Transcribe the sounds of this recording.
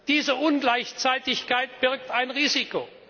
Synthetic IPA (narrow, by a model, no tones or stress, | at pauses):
d̥iːzəʔʊnɡlaɪçt͡saɪtɪçkʰaɪt̚b̥ɪɐk̚taɪnʁiːziko